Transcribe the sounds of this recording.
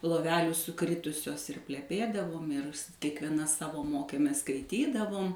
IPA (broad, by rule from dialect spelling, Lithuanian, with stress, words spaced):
lˠoːˈʋʲæːlʲuː sʊˈkrʲɪtʊsʲoːs ɪr pʲlʲɛˈpʲeːdɐʋoːm ɪr s kʲiɛkʋʲiɛˈnɐ ˈsɑːʋoː ˈmoːkʲeːmʲeːs skɐɪˈtʲiːdɐʋoːm